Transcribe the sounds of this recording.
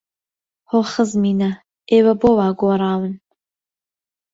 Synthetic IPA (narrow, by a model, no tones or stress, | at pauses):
hoχəzmiːna | eːwɐbowaːɡʷɐɾaːwɨn